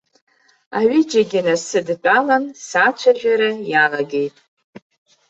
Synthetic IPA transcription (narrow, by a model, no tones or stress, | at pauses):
aɥid͡ʒaɡʲɪnasɨdt͡pʷʼalansat͡ʃʷʰaʒᶣaɾajalaɡe̞jtʼ